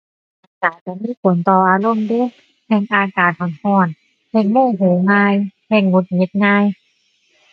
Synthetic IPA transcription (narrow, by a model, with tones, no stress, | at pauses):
aː˧˩kaː˨˩t͡ɕa˧˩miː˧˥˨pʰo˨˩˦nt̪ɔː˧˩ʔaː˧lo˧˥˨mdu˧˥˨ | hɛ˧˩ŋʔaː˧kaː˨˩t̪̚hɔ˨˩˦nhɔː˧˩n | hɛː˧˩ŋmuː˧˥˩ɦoː˨˦ŋaː˧jhɛː˧˩ŋːu˧˦t̪̚ŋi˧˦˥t̪̚ŋaː˧j